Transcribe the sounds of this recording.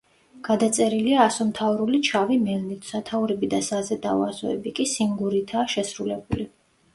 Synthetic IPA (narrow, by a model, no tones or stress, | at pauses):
ɡ̥ad̪at̪sʼɛɾiliaːsɔmt̪ʰauɾulit͡ʃʰavimɛlnit̪ʰʼsat̪ʰauɾɛbid̪asazɛd̪avazɔ̰ɛbikʼisiŋɡuɾit̪ʰaːʃɛsɾulɛbuli